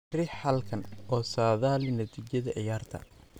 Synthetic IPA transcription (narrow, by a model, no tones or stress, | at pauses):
rɪħɐlkʰɐnʔɔːsaːðaːlɪnɐt̪ʰiːt͡ʃɐðɐʕɪjaːrt̪ʰɐ̰